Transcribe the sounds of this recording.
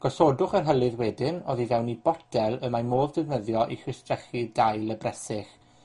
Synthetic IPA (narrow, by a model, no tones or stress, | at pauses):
ɡ̥ɔsodʊχərɦəlˠɨðwɛdɪnoðivɛwnibɔdʰɛlˠəmamoːðdɪvnəðjɔʔḭχwɪstrɛχidajlˠəbrɛsɪχ